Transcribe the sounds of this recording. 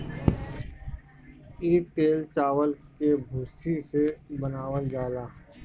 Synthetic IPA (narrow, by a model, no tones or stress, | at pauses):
iːt̪eːlt͡ʃaːwəlkebʱʊːsisebənaːwəld͡ʒaːlaː